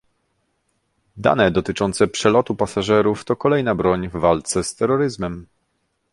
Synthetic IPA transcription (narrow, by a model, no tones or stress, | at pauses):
d̪a̰nɛd̪ɔt̪ɘt͡ʂɔnt̪sɛpʂɛlɔt̪upasaʐɛɾuft̪ɔkɔlɛjnabɾɔɲvːalt̪sɛst̪ɛɾːɔɾɘzmɛm